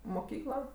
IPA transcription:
moːˈkʲiːklˠɐ

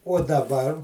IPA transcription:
uɔ dɐˈbɐr

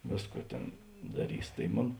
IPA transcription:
ˈʋʲeːsˌkuː ˈtʲeːn dɐˈrʲiːs tɐɪ ˈmoːn

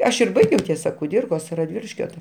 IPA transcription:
ˈɐʃ ɪr ˈbɐɪɡʲɛʊ ˈtʲiɛsɐ kʊˈdʲiːrkoːs rɐˈdʲʋʲɪlʲɪʃʲkʲoː tɐ

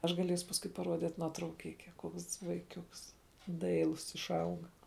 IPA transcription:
ˈɐʃ ɡɐˈlʲiɛsʊ pɐsˈkʊɪ pɐˈruɔdʲɪt nuɔtrɐʊˈkʲɪkʲɛ ˈkuɔks ʋɐɪˈkʲʊks ˈdɐɪlˠʊs ɪʃˈɐʊɡɐ

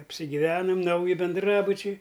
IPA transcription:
ɐpʲsʲɪɡʲiːˈʋʲæːnɐm ˈnɐʊjɪ bʲɛnˈdrɑːbʊt͡ʃʲɛɪ

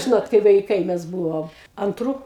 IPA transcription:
ˈʒʲɪnoːt kɐɪ ʋɐɪˈkɐɪ ˈmʲɛs ˈbuːʋoːm ɐnˈtruː

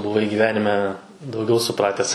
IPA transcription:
bʊˈʋɐɪ ɡʲiːˈʋʲæːnʲɪmʲɛ dɐʊˈɡʲɛʊ sʊˈprɑːtʲɛs

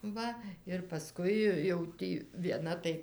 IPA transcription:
ˈʋɐ ɪr pɐˈskʊɪ jɛʊ ˈtʲiː ʋʲiɛˈnɐ tɐɪ

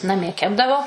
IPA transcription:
nɐˈmʲiɛ ˈkʲæːbdɐʋoː

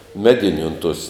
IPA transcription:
ˈmʲæːdʲɪnʲʊ ʊn tuɔs

